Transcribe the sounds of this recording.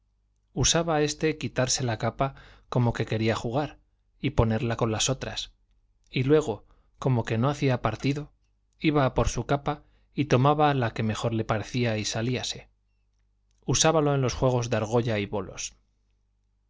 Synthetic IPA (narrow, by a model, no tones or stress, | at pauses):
usaβae̞st̪e̞kit̪aɾse̞lakapako̞mo̞ke̞ke̞ɾiaxuɣ̞aɾ | ipo̞ne̞ɾlako̞nlaso̞t̪ɾa̰s | ilwe̞ɣ̞o̞ | ko̞mo̞ke̞no̞aθiapaɾt̪iðo̞ | iβapo̞ɾsukapa | it̪o̞maβalake̞me̞xo̞ɾle̞paɾe̞θiaisaliase̞̥ | usaβalo̞e̞nlo̞sxwe̞ɣ̞o̞zðeaɾɣo̞ʎaiβo̞lo̰s